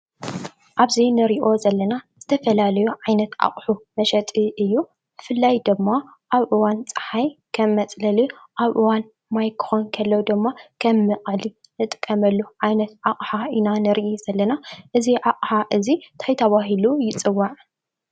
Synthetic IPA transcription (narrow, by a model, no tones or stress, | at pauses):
ʔaβzinɨɾiʔo̞zɐlːɐnaz̥ɨt̪ʰɐfɐlalɐjuʕajnɐt̪ʔa̰χʼħumɐʃɐt̪ʼiʔɨjːu | bɨfɨlːajd̪ɨmːa | ʔaβʔɨwant͡sʼɨ̥ħajkʰɐmːɐt͡sʼlɐliʔaβʔɨwan | majkʰɨ̥xonkʰɐlːɐwd̪ɨmːakʰɐmːɨqʼɨli | nɨt̪ʼɨkʼːɐmɐlːuʕajnɐt̪ʕaχʼħainanɨɾiʔiz̥ɐlːɐnaʔɨziʕaqʼħaʔɨzit̪ʰajt̪ʰɐβaɦilujɪt͡sʼɨwːaʕ